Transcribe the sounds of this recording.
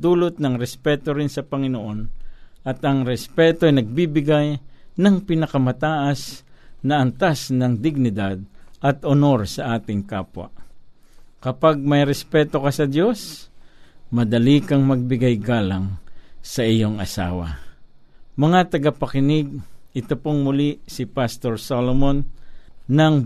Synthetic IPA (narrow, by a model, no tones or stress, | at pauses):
d̪uːlot̪̚nɐŋɾɛspɛːt̪oɾɪnsɐpɐŋɪnoʔo̞nɐt̪ɐŋɾɛspɛːt̪oajnɐɡ̚bibɪɡajnɐŋpɪnɐkɐmɐt̪aːʔasnɐʔːnt̪asnɐŋd̪ɪɡ̚nɪd̪ad̪̚ʔɐt̪ono̞ɾsɐʔaːt̪ɪŋkaːpwa̰ | kɐpaɡ̚mɐjɾɛspɛːt̪o̞kasɐd̪jo̞s | mɐd̪ɐlikaŋmɐɡ̚bɪɡajɡaːlaŋsɐʔɪjoŋɐ̰sa̰ːwa̰ | mɐŋat̪ɐɡapɐkɪnɪɡ̚ɪt̪opoŋmʊlisɪpast̪oɹsolomonː | ɐŋ